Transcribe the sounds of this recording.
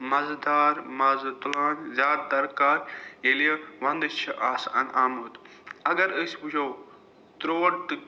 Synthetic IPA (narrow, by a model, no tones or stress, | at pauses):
mɐzd̪aːɾmɐzt̪ulaːnzʲaːd̪̚d̪ɐɾkaːɾjeliɐʋɐ̃nd̪ɨt͡ʃʰːɐʔaːsɐ̰nʔaːmuːt̪ | ɐɡɐɾəːsʲpud͡ʒow | t̪ɾoːɽt̪ɨ